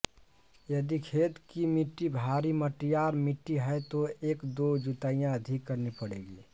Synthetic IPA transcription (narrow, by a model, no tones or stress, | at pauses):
jəd̪ikʰet̪kimiʈːibʱaɾiməʈijaɾmiʈːiɦɛjt̪oeːkd̪od͡ʒut̪aːijãəd̪ʱikːəɾnipəɽeɡi